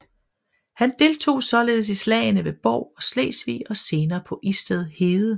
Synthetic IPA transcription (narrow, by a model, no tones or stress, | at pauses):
hænd̥e̝lt͡sʰo̝̰ːsɒ̽le̝ːð̞ˠsislɛ̰ːɪnəʋe̝b̥ɒ̰ʊ̰ɒ̽slḛːsʋḭːɒ̽se̝ːnɐːpʰɒ̽ʔisd̥eð̞ˠhe̝ːðˠə